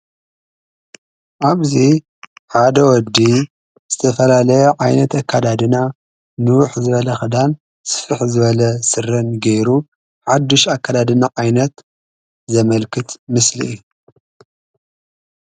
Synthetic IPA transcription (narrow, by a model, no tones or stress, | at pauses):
ʔaβzi | ħad̪ɐwɔd̪ːi | z̥ɨt̪ʰɐfɐlalɐjɛʕajnɐt̪akʰːad̪ad̪ɨna | nɨwʊħzɨβɐlɐxɨd̪an | sɨ̥fɨħzɨβɐlɐsɨrɐnɡɐjɾu | ħad̪ːɨʃakːad̪ad̪ɨnaʕajnɐt̪ | zɐmɐlkʰɨt̪mɨslḭʔːju